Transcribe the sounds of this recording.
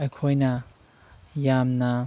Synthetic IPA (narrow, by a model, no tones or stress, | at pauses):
ɐjkʰojnɐ | jamnɐ